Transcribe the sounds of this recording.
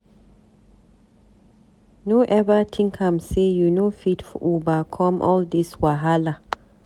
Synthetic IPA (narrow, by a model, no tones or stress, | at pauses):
noʔɛvətʰĩŋkʰãmsejunofidfɔʔubakʰɔ̃mʔɔld̪iswaɦala